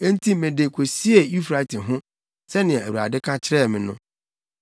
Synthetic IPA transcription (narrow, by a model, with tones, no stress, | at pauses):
e˦n̩˦tʰi˦mɪ̃˨de˨kʷʰo˨si˦e˨i˦fɾa˨tʰɪ˨ɦʊ̃˦ | sɛ˦nɪ̃˨ɛ̃˨æ˨wa̰˨dɪ˦kʰã˦t͡ɕʰɪ˦ɾɛː˦˨mɪ̃˨nʊ̃˦